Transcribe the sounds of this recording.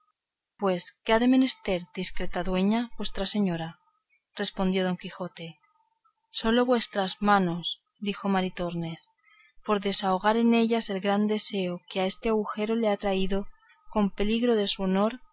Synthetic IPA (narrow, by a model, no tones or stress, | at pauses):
pwe̞skeaðe̞me̞ne̞st̪e̞ɾd̪iskɾet̪aðwe̞ɲabwe̞st̪ɾase̞ɲo̞ɾa | re̞spo̞nd̪jo̞ð̞o̞ŋkixo̞t̪e̞ | so̞lo̞βwe̞st̪ɾazmano̞s | d̪ixo̞maɾit̪o̞ɾne̞s | po̞ɾðe̞saoɣ̞aɾe̞ne̞ʎase̞lɣɾand̪e̞se̞okeae̞st̪eaɣuxe̞ɾo̞leat̪ɾaiðo̞ | ko̞mpe̞liɣɾo̞ðe̞suono̞ɾ